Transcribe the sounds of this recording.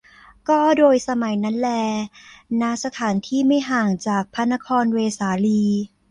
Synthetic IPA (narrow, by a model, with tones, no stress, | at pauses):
kɔː˥˩doː˧jsa˧ma˨˩˦jna˦˥nlɛː˧˩na˦˧˥sa˧t̪ʰaː˩˦nt̪ʰiː˥˩ma˥˩jɦaː˨˩ŋt͡ɕaː˨˩k̚pʰa˧˥nːa˦˥kʰɔː˧nweː˧saː˩˦liː˧